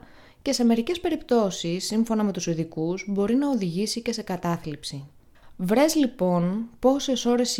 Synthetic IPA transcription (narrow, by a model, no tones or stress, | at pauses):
ce̞se̞me̞ɾice̞spe̞ɾipt̪o̞sisːiɱfo̞nɐme̞t̪usiðikuzbo̞ɾinɐoðiʝisice̞se̞kɐt̪ɐθlipsi | vɾe̞zlipo̞npo̞se̞so̞ɾe̞s